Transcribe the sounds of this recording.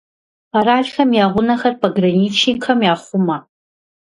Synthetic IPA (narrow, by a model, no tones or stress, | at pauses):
pʰaɾaːɮxɐmjaːʁʷʊnɐxɐrpʰɐɡrɐniːt͡ʃʰikʰɐmjaːχʷʊmɐ